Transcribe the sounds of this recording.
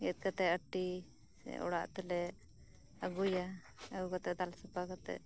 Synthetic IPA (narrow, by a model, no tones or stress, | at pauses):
ɛt̪̚kat̪ɛʔəʈi | sɛ̰ɔ̰ɽaʔt̪ɛlɛ | əɡuja | əɡukat̪ɛʔd̪alsapakat̪ɛ̰ʔ